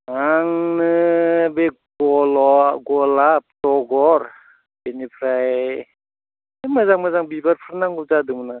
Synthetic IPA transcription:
ŋaŋnɯbe | ɡɔlɔɡɔlap̚tɔɡɔɾ | benipʰɾaj | emɯzaŋmɯzaŋbibaɾpʰɯɾnaŋɡuzadɯmɯna

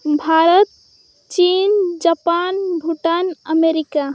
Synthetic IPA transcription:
bʱaɾət̪̚ | t͡ʃind͡ʒapanbʱuʈanəmeɾika

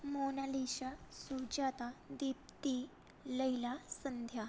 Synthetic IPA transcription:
monaliɕasud͡ʑat̪ad̪ip̚t̪i | ləilasənd̪ʱja

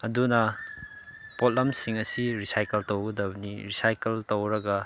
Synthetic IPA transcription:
ɐdunɐ | pot̚lɐmsiŋɐsiɾisajkeltowɡɐdɐbɐniɾisajkeltowɾɐɡɐ

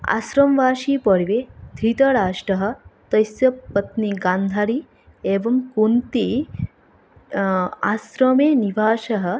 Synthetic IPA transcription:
a̰ɕɾɐmʋaːʃipəɽʋed̪ʱiːt̪ɐɾaːʂʈɐɦə̆t̪ɐjsjɐpɐt̪niɡaːnd̪ʱaɾiː | eːʋɐmkunt̪i | asɾɐmenibʱaːʃɐɦə

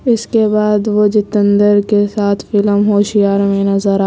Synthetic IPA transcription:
ɪskebaːd̪ʋod͡ʒɪt̪ə̃nd̪əɾkesaːt̪ʰfɪləmɦoːʃijaːɾmẽnɐzəɾa

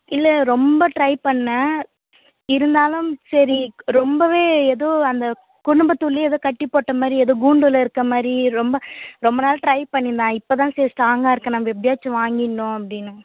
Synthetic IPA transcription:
ɪlːɐɾɔmbɐʈɾɐɪpɐɳːɐ | ɪɾɯnd̪aːlʊmsɐɾiɾɔmbɐʋeːɛðoːɐnd̪ɐ | kʊɽʊmbɐt̪ːʊlːiɛðoːkɐʈːɪpːoːʈːɐmaːd̪ɾiɛðoːɡuːɳɖʊlɐɪɾɯkːɐmaːd̪ɾiɾɔmbɐɾɔmbɐnaːlɐʈɾɐɪpɐɳːɪnd̪ãːɪpːoːt̪ãːseːsʈaːŋɡaːɪɾɯkːɐ̃namːɐʋɪbɪjaːt͡ʃːɐʋaːŋɡɪɳːʊ̃ɐpɐɽɪnːɯ

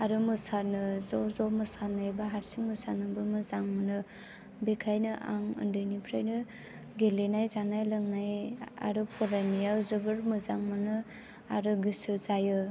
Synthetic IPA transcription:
aɾɯmɯsanɯzɔzɔmɯsanajbaɦaɾsiŋmɯsanɯbɯmɯzaŋmɯnɯ | bekʰajnɯʔa̰ŋɯ̰ndɯjnipʰɾajnɯ | ɡelenajzanajlɯŋnaja̰ɾɯpʰɔɾajnijazɯbɯɾmɯzaŋmɯnɯ | aɾɯɡɯsɯzajɯ

